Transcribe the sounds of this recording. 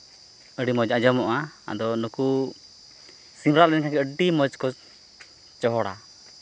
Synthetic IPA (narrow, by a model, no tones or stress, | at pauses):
əɖimɔd͡ʒad͡ʒɔmɔʔaa̰d̪ɔnɔku | simɾaʔɛnkakɛəɖimɔd͡ʒkɔ | t͡ʃɔɦɔɽa̰